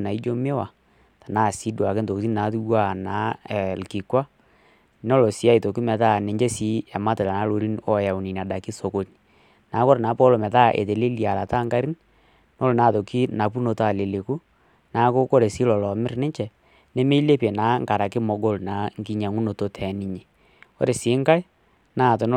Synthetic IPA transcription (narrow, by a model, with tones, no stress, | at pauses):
na˨i˦d͡ʒo˦me˦wa˨ | ta˨naː˦˨si˨˦dwa˨kɪ˦nto˨ti˦n˦na˨˦tu˦wa˦˨na˨˦˨lki˨kwa˦ | n˦o˦lo˨si˨˦a˦i˨to˨ki˦mɛ˨ta˦ne˨ɲd͡ʒe˦si˦a˨ma˦te˨la˨na˨˦lo˨ɾi˦nɔ˦ja˨u˨ni˨na˨da˨kɪ˦so˨ko˨ni˨ | naː˨˦ko˦ɾna˨˦pɔ˦lo˨mɛ˨ta˦ʔḛ˨te˨le˦li˨a˨la˨ta˦ŋɡa˦ɾi˦ | no˦lna˨to˨ki˦na˨pu˦no˨ta˨le˨le˨ku˦ | na˨˦ko˦ko˦ɾe˨si˦lɔ˨lɔ˨mɪ˦ɾnɪ˦ɲt͡ʃɛ˨ | ne˦me˦le˦pe˨na˨˦ŋka˨ɾa˨kɪ˦mo˨ɡo˦lna˨˦ŋ˦ki˦ɲa˨ŋu˦no˨to˦tʰɛ˨˦ni˦ɲe˨ | o̰˦ɾe˨sɪː˨˦ŋka˦i˦ | na˦˨to˨n˦